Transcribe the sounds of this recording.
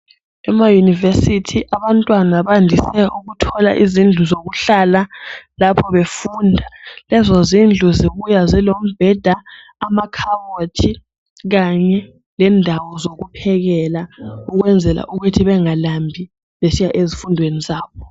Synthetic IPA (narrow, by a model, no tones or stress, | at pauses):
ɛmajunivesitʰiʔaβantʼwanaβandʱisɛʔuɣutʰɔla̰ʔizind͡ɮʱuzoɣuɬalalapʰɔβefundʱalɛzozind͡ɮʱuziβujazilom̩b̥ʱɛd̥ʱaː | makʰawotʰi | ɣaɲɛ | lɛndʱawɔzoɣupʰɛɣɛlauɣwɛnd͡zʱɛla̰ʔuɣutʰiβɛŋalambʱi | βesijaʔezifundʱwenizaːβɔ